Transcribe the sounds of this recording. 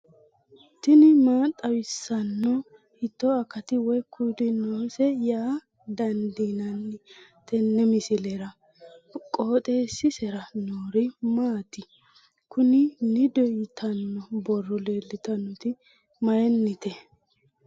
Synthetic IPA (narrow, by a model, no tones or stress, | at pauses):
t̪ɪnɪmaːt̪ʼːɐwɪsːɐnːɔ | hɪt̪ːɔɐkːɐt̪ɪwɔjkʰːujlɪnoːsɛjaː | d̪ɐnd̪inɐnːɪt̪ɛnːɛmɪsɪlɛɾɐ | kʼo̞ːt̪ʼeːsːɪsɛɾɐnoːɾɪmaːt̪ɪ | kʊnɪnɪd̪ɔjɪt̪ʰɐnːɔbɔrːɔleːlːɪt̪ɐnːɔt̪ɪ | mɐjɛnːɪt̪ɛ